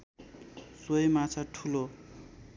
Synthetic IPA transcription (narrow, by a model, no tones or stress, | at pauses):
swojmat͡sʰaʈʰulo